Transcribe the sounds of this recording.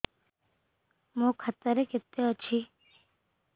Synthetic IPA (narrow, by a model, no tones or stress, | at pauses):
mõkʰət̪ːəɾekɪt̪ːeət͡ʃʰi